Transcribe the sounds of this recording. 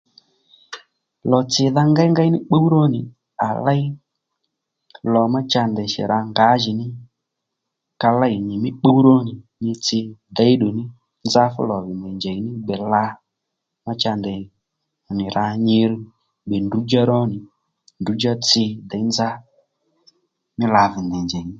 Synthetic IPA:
lɔ˨t͡sɪ˧ða˧ŋɡa˦i˦ŋɡa˦i˦nɪ˦k͡po˦u˦ɾɔ˦nɪ˨ | a̰˨la˦i˦ | lɔ˨ma˦t͡ʃa˧nd̪ɛ˨ʃɛ̰˨ɾʔa˧ŋɡa˨˦ʒɪ˨nɪ˦ | ka˧la˦i˨ɲɪ˨mɪ˦k͡po˦u˦ɾɔ˦nɪ˨ | ɲɪ˧t͡sɪ˧d̪ɛ˨˦i˦ɗo˨nɪ˦ | nd͡za˦fṵ˦lɔ˨vi˨ndɛ˨nd͡ʒɛ˨i˨nɪ˦ɡ͡bɛ˨la˧ | ma˦t͡ʃa˧nd̪ɛ˨ | nɪ˨ɾa˧ɲɪ˧ɾu˦ | ɡ͡bɛ˨ndu˨˦d͡ʒa˦ɾɔ˦nɪ˨ | ndu˨˦d͡ʒa˦t͡sɪ˧d̪ɛ˨i˦nd͡za˦ | mɪ˦la˨vɪ˨ndɛ˨ɲd͡ʒɛ˨ɪ˦

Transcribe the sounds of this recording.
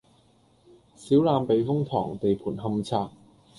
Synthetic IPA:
siː˨˥wlaː˧mpe˨˧˥jfʊ˥ŋt̪ʰɔ̰ː˨˩ŋt̪e˨jpʰuː˨˩nɦɐ˧mt͡sʰaː˧k̚

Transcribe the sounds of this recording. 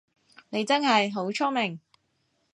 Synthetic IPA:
ne˨˧jt͡sɐ˥nɦɐ˨jɦo˨˥wt͡ʃʰɔ˥mɪ˨˩ŋ

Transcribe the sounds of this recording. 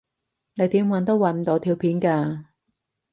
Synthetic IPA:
ne˨˧jt̪iː˨˥mwɐ˨˧nt̪o˥wɐ˨˩m̩˨˧t̪o˨˧t̪ʰiː˧wpʰiː˨˥nkaː˧

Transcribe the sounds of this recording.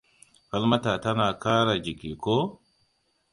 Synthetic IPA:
ɸa˦lma˦ta˨ta˦naː˨ka˦ɾa˨d͡ʒi˨ki˨ko˦

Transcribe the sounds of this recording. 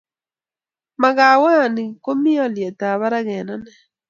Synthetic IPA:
ma˨ɣa˨wa˦˨ni˨ko˦mi˦ɔ˦˨ljɛ˨ta˨βa˦ɾa˦ɣɛ˨na˦nɛ˦

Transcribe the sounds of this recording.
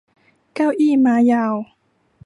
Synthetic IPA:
ka˥˧wʔiː˥˨maː˨˧˦ja˧˩w

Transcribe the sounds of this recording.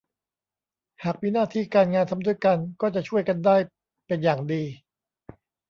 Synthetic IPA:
haː˨˩k̚wiː˦˥˩naː˥˩t̪ʰiː˥˩kaː˧nŋaː˧nt̪ʰa˧mdu˥˩əjka˧nkɔː˥˩t͡ɕa˨˩t͡ɕʰu˥˩əjka˧ndaː˥˩j | pe˧njaː˨˩ŋdiː˧

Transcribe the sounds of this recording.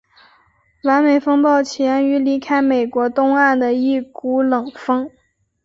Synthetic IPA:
wa˧˥nme˨˩ɪfɤ˥ŋpɑ˥˩ʊt͡ɕʰjɛ˧˥ny˧˥li˧˥kʰa˥ɪme˨˩ɪkwɔ˧˥t̪ʊ˥ŋa˥˩nd̪ə˩i˥˩ku˧˥lɤ˨˩ŋfɤ˥ŋ

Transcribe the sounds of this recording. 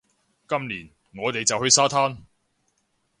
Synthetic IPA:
kɐ˥mliː˨˩n | ŋɔː˨˧t̪e˨jt͡sɐ˨whɵ˧ɥsaː˥t̪ʰaː˥n

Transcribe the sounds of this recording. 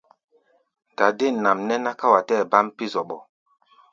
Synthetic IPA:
da˨de˦˨n˨na˨mnɛ˦na˦ka˦wa˨tɛ˦˨ba˦mpi˦zɔ˨ɓɔ˨

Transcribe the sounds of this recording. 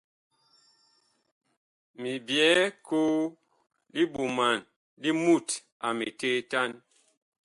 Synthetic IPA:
mi˨bjɛ˨˦ko˦ | li˦ɓu˨ma˨n | li˦mu˦˨t | a˨mi˨te˦ta˦n

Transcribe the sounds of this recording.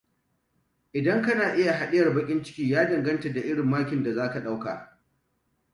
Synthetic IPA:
ʔɪ˨dɐ˦ŋkɐ˦naː˨ʔɪ˦ja˨ɦa˨ɗɪ˦jɐ˨rbɐ˦kʲʼɪ˦nt͡ʃɪ̥˦kʲiː˦jaː˦dɐ˨ŋɡɐ˦ntɐ˨da˨ʔɪ˦ɽɪ˨mːaː˦kʲɪ˨nda˨zaː˦ka˨ɗa˦wka̰ː˨

